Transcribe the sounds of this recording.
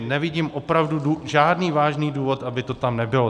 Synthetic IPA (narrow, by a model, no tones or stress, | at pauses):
nɛvɪɟiːmʔopɾavduduʒaːdniːvaːʒniːduːvo̞t̪ʔabɪt̪o̞t̪amnɛbɪlo